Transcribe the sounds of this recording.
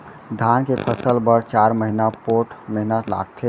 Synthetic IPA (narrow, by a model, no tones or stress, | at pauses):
d̪ʱankepʰəsəlbəɾt͡ʃaɾməɦinapoʈməɦinala̰ɡ̚t̪ʰe